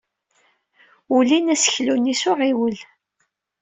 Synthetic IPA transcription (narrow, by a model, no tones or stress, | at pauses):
ulinæsə̥çlunisʊʁiwəl